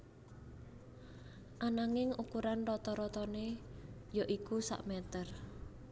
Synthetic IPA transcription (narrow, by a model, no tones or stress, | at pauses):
ʔanaŋɪŋʔukuɾanrɔt̪ɔɾɔt̪ɔnejaʔikusa̰ʔmɛt̪ər